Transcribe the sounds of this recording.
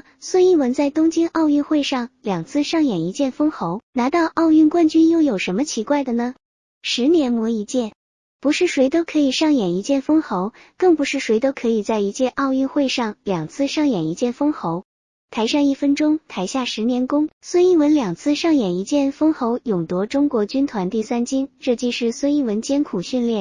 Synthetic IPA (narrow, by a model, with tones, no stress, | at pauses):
swə˥˧ni˥˩wə˧˥nt͡sa˥˩ɪt̪ʊ˥ŋt͡ɕi˥nʔɑ˥˧ʊy˥˧nxwe˥˧ɪʂɑ˥˩ŋljɑ˨˩ŋt͡sʰɹ̩˥˧ʂɑ˥˩ŋjɛ˨˩ni˧˥t͡ɕjɛ˥˩nfɤ˥ŋxo˧˥ʊna˧˥t̪ɑ˥˧ʊʔɑ˥˧ʊy˥˩nkwa˥˧nt͡ɕy˥njo˥˩ʊjo˨˩ʊʂə˧˥nmə˧t͡ɕʰi˧˥kwa˥˩ɪd̪ə˩nə˩ | ʂɻ̩˧˥njɛ˧˥nmwɔ˧˥i˧˥t͡ɕjɛ˥˩n | pu˧˥ʂɻ̩˥˩ʂwe˧˥ɪt̪o˥ʊkʰɤ˧˥i˨˩ʂɑ˥˩ŋjɛ˨˩ni˧˥t͡ɕjɛ˥˩nfɤ˥ŋxo˧˥ʊ | kɤ˥˩ŋpu˧˥ʂɻ̩˥˩ʂwe˧˥ɪt̪o˥ʊkʰɤ˧˥i˨˩t͡sa˥˩ɪi˧˥t͡ɕjɛ˥˧ʔɑ˥˧ʊy˥˧nxwe˥˧ɪʂɑ˥˩ŋljɑ˨˩ŋt͡sʰɹ̩˥˧ʂɑ˥˩ŋjɛ˨˩ni˧˥t͡ɕjɛ˥˩nfɤ˥ŋxo˧˥ʊ | t̪ʰa˧˥ɪʂɑ˥˧ŋi˥˩fə˥nʈ͡ʂʊ˥ŋt̪ʰa˧˥ɪɕja˥˩ʂɻ̩˧˥njɛ˧˥nkʊ˥ŋswə˥ni˥˩wə˧˥nljɑ˨˩ŋt͡sʰɹ̩˥˧ʂɑ˥˩ŋjɛ˨˩ni˧˥t͡ɕjɛ˥˩nfɤ˥ŋxo˧˥ʊjʊ˨˩ŋt̪wɔ˧˥ʈ͡ʂʊ˥ŋkwɔ˧˥t͡ɕy˥nt̪ʰwa˧˥nt̪i˥˩sa˥nt͡ɕi˥nʈ͡ʂɤ˥˩t͡ɕi˥˧ʂɻ̩˥˩swə˥ni˥˩wə˧˥nt͡ɕjɛ˥nkʰu˨˩ɕy˥˧nljɛ˥˩n